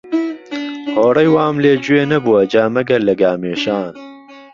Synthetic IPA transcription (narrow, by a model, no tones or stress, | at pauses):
hoːɽɐjwaːmleːd͡ʑueːnɐbuwɐd͡ʒaːmɐɡɐlɐɡaːmeːʃaːn